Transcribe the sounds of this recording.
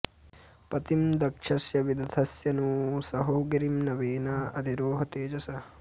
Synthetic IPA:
pɐt̪imd̪ɐkʂʰɐsjɐʋid̪ʱɐt̪ʰɐsjɐnuːsɐɦoːɡɐɾimnɐʋeːnaːʔɐd̪ʱiɾoːɦɐt̪eːd͡ʒɐsɐ

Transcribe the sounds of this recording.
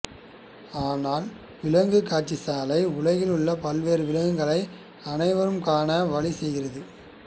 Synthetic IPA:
aːnaːl | ʋɪlɐŋɡɯkːaːʈt͡ʃisaːlɐɪʊɭɐɣɪlɯɭːɐpɐlʋeːɾɯʋɪlɐɣɯŋɡɐɭɐɪ | ɐnɐɪʋɐɾɯmkaːnɐʋɐɭisɛjɣɪɾɐðɯ

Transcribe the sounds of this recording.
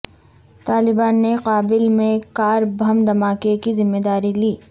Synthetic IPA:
t̪aːlɪbaːnːeqaːbɪlmẽkaːɾbʱɐmd̪ɐmaːkekizɪmːed̪aːɾiliː

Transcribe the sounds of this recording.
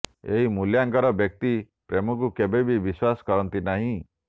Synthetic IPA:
eɦimuljaŋkɔɾɔbjɔk̚t̪i | pɾemɔkukebebʱibiswasɔ̥kɔɾɔnt̪inaɦĩ

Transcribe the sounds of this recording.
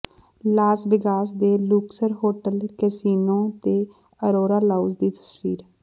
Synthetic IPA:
laːsbɪkaːsd̪eːluːksəɾɦoːʈəlkɛsiːnõːt̪eː | əɾoːɾaːlaud͡ʒd̪iːt̪ə̥sfiːɾ

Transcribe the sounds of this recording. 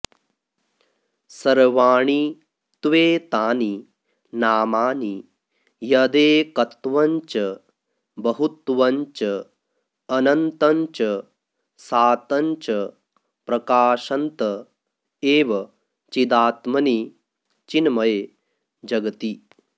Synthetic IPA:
sɐɾʋaːɳi | t̪ʋeːt̪aːni | naːmaːni | jɐd̪eːkɐt̪ʋɐɲt͡ʃɐ | bɐɦut̪ʋɐɲt͡ʃɐː | nɐnt̪ɐɲt͡ʃɐ | saːt̪ɐɲt͡ʃɐ | pɾɐkaːʃɐnt̪ɐ | eːʋɐ | t͡ʃid̪aːt̪mɐni | t͡ʃinmɐj | d͡ʒɐɡɐt̪i

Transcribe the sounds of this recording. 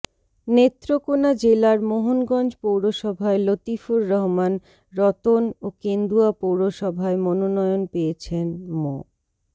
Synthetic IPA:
net̪ːɾokonad͡ʑelaɾmoɦonɡɔnd͡ʑpowɾoʃɔbʱaelot̪ifuɾːɔɦman | ɾɔt̪onokend̪uapowɾoʃɔbʱaemɔnonɔjonpejet͡ɕʰenmo

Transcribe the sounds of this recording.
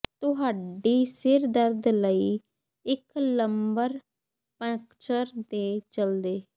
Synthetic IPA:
t̪ʊɦaːɖiːsɪɾd̪əɾd̪ləiː | ɪkləmbəɾ | pɛ̃ːkt͡ʃəɾd̪eːt͡ʃəld̪eː

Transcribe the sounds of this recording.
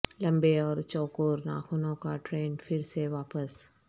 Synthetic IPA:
lɐ̃mbeɔːɾt͡ʃɔːkoːɾna̰ːxʊnõkaʈɾeːnfʰɪɾseʋaːpəs

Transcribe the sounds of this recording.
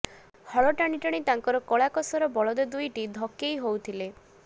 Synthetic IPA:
hɔɭɔʈaɽ̃iʈaɽ̃it̪aŋkɔɾɔkɔɭakɔsɔɾɔbɔɭɔd̪ed̪ujʈid̪ʱɔkːejɦowt̪ʰile

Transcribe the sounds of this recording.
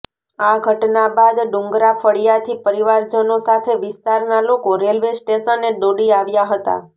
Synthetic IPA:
aɡʱəʈnabad̪ɖũŋɡɾafʰəɽijat̪ʰipəɾiʋaɾd͡ʒənosat̪ʰeʋɪst̪aɾnalokoɾelʋesʈeʃənːeɖoɽiaʋjaɦət̪a̰

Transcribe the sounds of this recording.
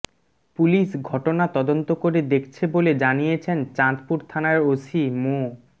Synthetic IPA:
puliʃɡʱɔʈonat̪ɔd̪ont̪okoɾed̪ekʰt͡ɕʰeboled͡ʑanijet͡ɕʰent͡ɕat̪puɾt̪ʰanaɾosimo

